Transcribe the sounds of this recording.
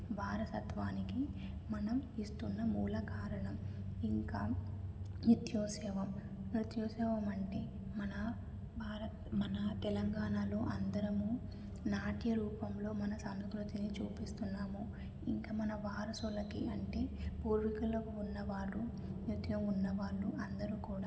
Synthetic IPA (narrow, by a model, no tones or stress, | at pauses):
bʱaːɾɐsɐt̪ʋaːnikimɐnɐmist̪unːɐmuːlɐkaːɾɐɳɐmiŋkaː | nut̪joːsɛːʋɐm | nut̪jɔːsɛːʋɐmɐɳʈe̞ː | mɐnɐ | bʱaːɾɐt̪mɐnɐt̪ɛlɐŋɡaːnaːlo̞ːʔɐnd̪ɐɾɐmu | naːʈjɐɾuːpɐmlo̞ːmɐnɐsɐmskɾut̪init͡ʃuːpist̪unːaːmu | iŋkaːmɐnɐʋaːɾɐsulɐkiɐɳʈe̞ːpuːɾʋikɐlːɐkunːɐʋaːɭːu | njut̪jɐmunːɐʋaːɭːuʔɐnd̪ɐɾukuːɽaː